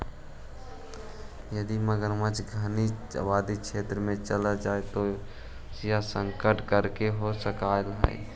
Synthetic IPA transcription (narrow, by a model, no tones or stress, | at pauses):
jəd̪iməɡəɾmət͡ʃɡʱəniə̰baːd̪ikʃʰeːt̪ɾəmẽt͡ʃəlad͡ʒaːet̪o | sjasə̃ŋkəɾʈkəɾkeɦosəkalɦə̰ḭ